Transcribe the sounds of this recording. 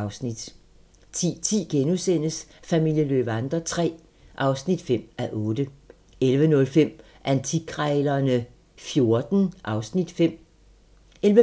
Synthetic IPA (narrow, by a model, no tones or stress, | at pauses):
ʊsnid̥ | t͡sʰḭt͡sʰḭːɡ̥enusen̰əsfæmil̰jəlø̰ːb̥ɑnd̥ʁɐt͡sʰʁɛ̰ː | ʔɑ̈ʊsnid̥fem̰æʔɔ̽ːd̥ə | elʋənɔ̽lfem̰ | ʔænt͡sʰikʰʁɛːlɐnə | fjo̝ɐd̥n̩ʔɑ̈ʊsnid̥fem̰ | elʋə